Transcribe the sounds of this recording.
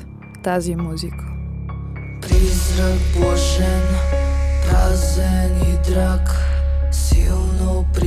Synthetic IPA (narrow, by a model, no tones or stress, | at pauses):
t̪azimuzikʰo̥ | pɾizɾakbɔʃɛnpɾazɛnid̪ɾaksilˠnɔ | pɾ